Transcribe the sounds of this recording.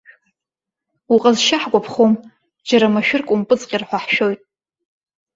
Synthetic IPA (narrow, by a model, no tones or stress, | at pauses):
uqʼazʃaħɡʷapʰχom | d͡ʒaɾamaʃᶣʊrkʷʼʊmpʼɨt͡sʼqʲʼirħʷaħʃᶣojtʼ